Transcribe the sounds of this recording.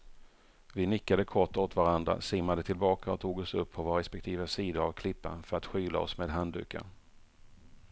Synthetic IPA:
vɪnɪkːad̪əkʰɔʈːoːt̪vaɾand̪ɾa̰sɪmːad̪ət̪ʰɪlbɑːkaɔt̪ʰuːɡɔsɵpʰːɔvoɾɛspɛkt̪ʰiːvəsiːd̪əɾavkʰlɪpːa̰nfœɾat̪ɧyːla̰ɔsmeːd̪ɦand̪ʉ̟̰ːkʰa̰

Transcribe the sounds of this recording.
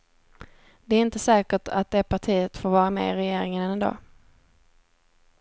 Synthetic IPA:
d̪̥ɛæɾɪnt̪əsɛːkəʈʰa̰t̪̚d̪ɛːpʰaʈʰiːət̪foːɾvɑːɾamɛ̰ːɪɾɛjeːɾɪŋənɛnɛnd̪ɑ̰ː

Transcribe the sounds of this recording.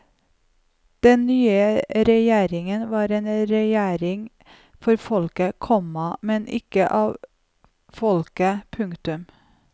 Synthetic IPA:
d̪̥ɛnnyːəɾɛjeːɾɪŋənʋɑːɾeːnɾɛjæːɾɪŋ | fɔɾfɔlkəkʰɔmɑmɛnʔɪ̰kəʔɑːʋ | fɔlkəpʰʉŋt̪ʉm

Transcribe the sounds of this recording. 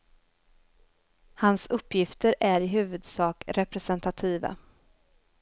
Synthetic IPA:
hansɵpːjɪft̪əɾʔæɾɪɦʉ̟ːvɵd̪sɑːkɾɛpɾɛsɛnt̪at̪ʰiːva̰

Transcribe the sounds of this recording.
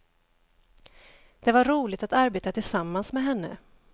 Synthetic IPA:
d̪̥ɛvaɾuːlɪt̪at̪aɾbeːt̪at̪ʰɪlsamːansmɛɦɛnːə̰

